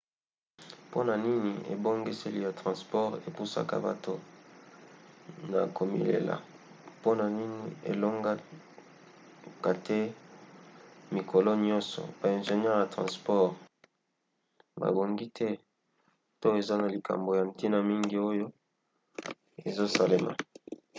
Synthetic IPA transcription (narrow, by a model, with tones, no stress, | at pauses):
po˦na˨ni˦ni˨ḛ˨bo˦ŋɡe˦se˦li˦ja˨tʁɑ̃˨spɔ˦ʁe˨pu˦sa̰˦ka̰˦ba˨to˦ | na̰˨ko˨mḭ˨lḛ˨la̰˨ | po˦na˨ni˦ni˨ḛ˨lo˦ŋɡa˦ | ka˨tʰɛ˦ | mi˨kʰo˨lo˦ɲɔ̃˦sɔ̰˨ba˨ɛ̃˨nʒe˨nɲ˦ɛ˦ʁja˨tʁɑ̰̃˨spɔ˦ʁ | ba̰˨bo˨ŋɡi˦tʰɛ˦ | to˦e˨za˦na˨li˨ka̰˨mbo˨ja˨m˨ti˦na˨mi˦ŋɡi˨o˦jo˦ | e˨zo˦sa˨le˨ma̰˨